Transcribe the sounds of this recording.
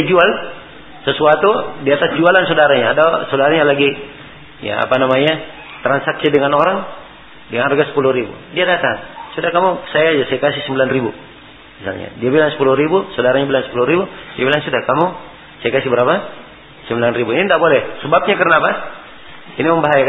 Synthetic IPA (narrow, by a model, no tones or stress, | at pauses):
d͡ʒual | səsuat̪udiat̪asd͡ʒualansodaɾaɲaːdasodaɾaɲalaɡi | ja̰a̰panamaɲa | t̪ɾansaksidəŋanɔɾaŋ | dəŋanrɡasə̥puluhɾibṵdiadat̪aŋsudahkamusajad͡ʒasajakasihsəmbilanribu | misa̰lɲa̰diabilaŋsə̥puluhɾibusɔdaɾaɲabilansə̥puluɾibudiabilaŋsudakamu | sajakasibəɾapa | səmbilanribuinindaʔbɔlɛhsɛbap̚ɲakərnapa | iniməmbaɦajak